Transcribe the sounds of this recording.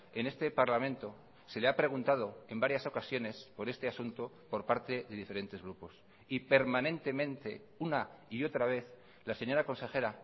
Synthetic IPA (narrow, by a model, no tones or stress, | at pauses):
e̞ne̞st̪e̞paɾlamẽ̞nt̪o̞ | se̞leapɾe̞ɣ̞unt̪að̞o̞e̞mbaɾjaso̞kasjo̞ne̞spo̞ɾe̞st̪e̞asunt̪o̞ | po̞ɾpaɾt̪e̞ðe̞ðife̞ɾe̞nt̪e̞zɣɾupo̞s | ipe̞ɾmãnẽ̞nt̪e̞mẽnt̪e̞̰ | unaio̞t̪ɾaβ̞e̞θ | lase̞ɲo̞ɾako̞nse̞xe̞ɾa